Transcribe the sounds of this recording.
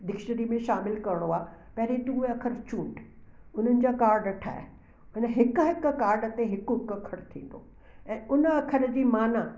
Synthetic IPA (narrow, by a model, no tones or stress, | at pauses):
d̪ɪkʃəɾimẽʃaːmɪlkɐɾɽ̃oaːpɐɦɪɾet̪uːeɐkʰəɾt͡ɕũːɳɖ | ʊn̤ənɪ̆d͡ʑaːkaːɾɖɐʈʰa̰ːḛ | ʊnəɦɪkɦɪkkaːɾɖət̪eɦɪkʊɪkɐkʰəɾt̪ʰḭ̃ːn̆d̪o̰ː | ɛ̃ːʊnɐkʰəɾəd͡ʑiːmaːna